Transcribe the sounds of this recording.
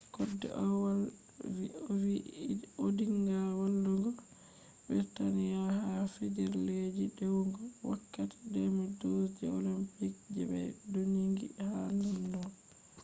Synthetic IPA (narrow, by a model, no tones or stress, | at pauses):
kɔdːɛ̰ʔɔwa | iɔwiodiŋɡalwalːɔŋɡɔ | bɛtanijahafɛd͡ʒɛɾled͡ʒidɛwŋɡɔwakːati̥dɛmidosd͡ʒɛo̰limpik̚d͡ʒɛ̰bɛ̰jdoɲiŋɡḭhalandɔ